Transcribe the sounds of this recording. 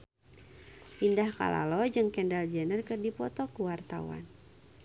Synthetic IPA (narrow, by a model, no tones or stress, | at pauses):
ʔindahka̰la̰lɔd͡ʒɨŋkɛndald͡ʒɛnərkɨrdipɔt̪ɔkuwart̪a̰wa̰n